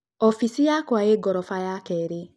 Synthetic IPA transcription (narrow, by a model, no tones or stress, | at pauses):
ɔfisijakwaeɡɔɾɔfajakɛɾi